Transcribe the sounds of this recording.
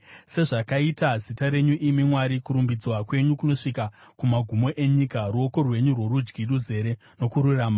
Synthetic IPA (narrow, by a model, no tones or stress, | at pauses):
se̞ʐakaitazitaɾe̞ɲuʔimimwaɾikuɾumbid͡zwakwe̞ɲukuno̞ʂikakumaɡʱumo̞ʔe̞ɲikaruo̞ko̞rwe̞ɲurwo̞ɾud͡ʒɡiruze̞ɾe̞ | no̞kuɾuraːma